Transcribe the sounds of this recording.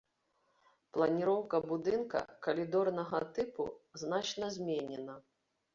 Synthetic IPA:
plˠɐnʲiɾɔwkɐbud̪ɨnkɐ̰kɐlʲid̪ɔrnɐɣɐt̪ɨpṵznat͡ʂnɐzʲmʲɛnʲɛnɐ

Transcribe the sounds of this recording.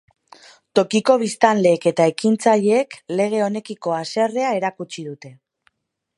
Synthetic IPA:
t̪o̞kiko̞β̞ist̪anle̞ːke̞t̪aekint͡saʎeːkle̞ɣ̞e̞o̞ne̞kiko̞ase̞re̞ae̞ɾakut͡ʃiðut̪e̞

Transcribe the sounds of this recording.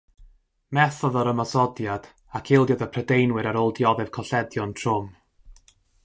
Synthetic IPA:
mɛθɔðɔɾəmasɔdjad̥ | akʰɪlˠdjɔdəpʰrədejnwɨɾaɾoːlˠdjɔðɛv̥kʰɔɬɛdjɔntʰrʊm

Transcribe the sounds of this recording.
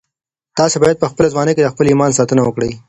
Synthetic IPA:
t̪ɑːsebɑjad̪̚pəxpəlezwɑneked̪əxpəlimɑnsɑt̪ənawəkɽəj

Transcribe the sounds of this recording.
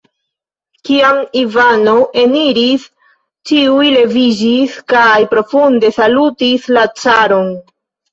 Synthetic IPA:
kiamivano̞ʔe̞niɾis | t͡ʃiujle̞vid͡ʒiskajpɾo̞funde̞salutislat͡saɾo̞n

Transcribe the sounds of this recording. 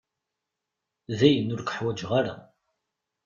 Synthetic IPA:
ðæjənːʊɾkħwæd͡ʒʁaɾa̰

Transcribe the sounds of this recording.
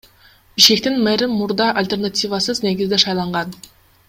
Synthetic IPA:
b̥iʃkʲe̞k̚t̪inmæɾɪmuɾd̪ɑʔalʲt̪ʲe̞rnat̪ʲivasɯzne̞ɡʲizd̪eʃɑjlˠɑɴʁɑn

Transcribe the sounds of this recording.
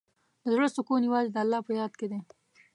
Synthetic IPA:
d̪əzɽəst̪okonjawɑzed̪əalːɑpəjɑd̪̚ked̪e

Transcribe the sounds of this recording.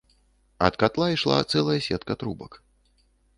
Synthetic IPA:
ɐ̰t̪kat̪lˠaiʂlˠa̰t̪sɛlˠɐjɐsʲɛt̪kɐt̪ɾubɐk

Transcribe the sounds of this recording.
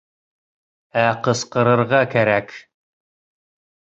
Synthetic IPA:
æqəsqəɾə̆rʁɑkʰæɾæk

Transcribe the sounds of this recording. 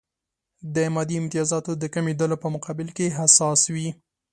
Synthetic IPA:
d̪əmɑd̪iɪmt̪ɪjɑzɑt̪od̪əkamed̪alopəmʊqɑbɪlkeɦasɑswi

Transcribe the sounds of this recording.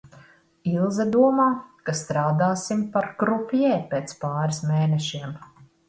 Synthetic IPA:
ilˠzad̪uɔmaːkast̪ɾaːd̪aːsimpaɾkɾupʲjɛːpeːt̪spaːɾismeːnɛʃiɛm

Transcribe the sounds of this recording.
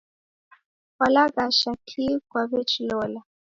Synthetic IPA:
kwalaɡaʃakʰikwavɛt͡ʃlɔla

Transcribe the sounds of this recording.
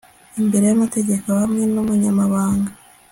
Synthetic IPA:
imbe̞ɾe̞jamate̞ɟe̞kohamŋe̞nomuɲamaβaːŋɡa

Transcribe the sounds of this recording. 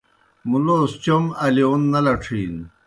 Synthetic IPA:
muloːst͡ɕomɐlionːɐlɐʈ͡ʂʰiːn

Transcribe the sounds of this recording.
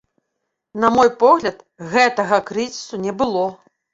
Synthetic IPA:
nɐmɔjpɔɣlʲɐt̪ | ɣɛt̪ɐɣɐkɾɨzʲisunʲɛbɨlˠɔ

